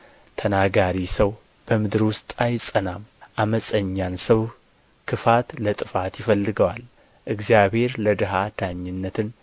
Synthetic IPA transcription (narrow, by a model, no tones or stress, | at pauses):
t̪ʰənaɡaɾisəw | b̥əmɨd̪ɾwʊst̪ʼajsʼənamʔaməsʼəɲːansəw | kʰɨfat̪lət̪ʼɨfat̪jɪfəlːɨɡəwal | ʔɨɡzijaβhe̞ɾləd̪ɨɦad̪̥aɲːɪnːət̪ʰɨn